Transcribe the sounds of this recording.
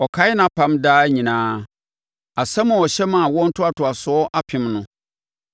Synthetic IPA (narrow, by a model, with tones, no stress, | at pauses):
ɔ˨kʰa˨˦jɪ˦nã˨pʰã˨mdaː˦ɲĩ˨nãː˦ | a˨sã˦mʊ̃˨ɔ˨ɕɛ˦mã˨wɔ̃˦n̩˦tʰʊ˦a˨tʰʊ˨a˨sɔ˦ɔ˦ʔa˦pʰɪ̃˨˦mnʊ̃˦